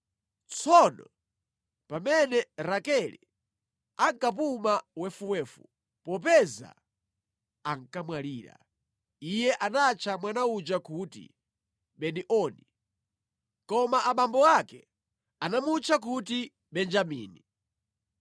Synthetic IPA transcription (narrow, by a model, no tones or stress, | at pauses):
t͡sʰɔnɔ̰ | pamɛnɛɾakɛlḭ | aŋkap̬umawɛfuwɛːfu | pɔp̬ɛza̰ | aŋ̩kamwaliːɾa̰ | ijɛʔanat͡ʃʰamwanaud͡ʒakutḭ | ɓɛniʔɔni | kɔmaʔaɓambɔakɛ | anamut͡ʃʰak̬uti | ɓɛnd͡ʒamḭːni